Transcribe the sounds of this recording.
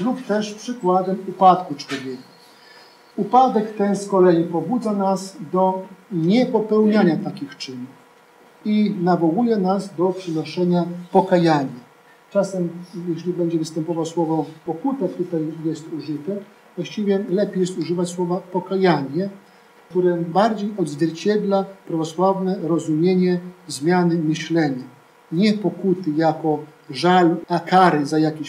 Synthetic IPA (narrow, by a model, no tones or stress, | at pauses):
lupt̪ɛʂpʂɘkwad̪ɛmupat̪kut͡ʂwɔvʲjɛkḁ | upad̪ɛkt̪ɛnskɔlɛjipɔbud̪zanasd̪ɔɲɛpɔpɛwɲaɲat̪akʲixt͡ʂɘnu | inavɔwujɛnazd̪ɔpʂɛnɔʂɛɲapɔkajaɲa | t͡ʂasɛmjɛɕlʲibɛɲd͡ʑɛvɘst̪ɛmpɔvawswɔvɔpɔkut̪at̪ut̪ajjɛst̪uʐɘt̪ɛ | vwaɕt͡ɕivʲjɛlɛpʲjejɛst̪uʐɘvat͡ɕswɔvapɔkajaɲɛ | kt̪uɾɛbaɾd͡ʑejɔd̪zvʲjɛɾt͡ɕɛd̪lapɾavɔswavnɛɾɔzumʲjeɲɛzmʲjanɘmɘɕlɛɲa | ɲɛpɔkut̪ɘjakɔ | ʐalakaɾɘzajakʲiɕ